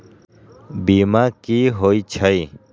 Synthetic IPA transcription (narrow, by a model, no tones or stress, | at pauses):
biːmaːkiɦoːit͡ɕʰəi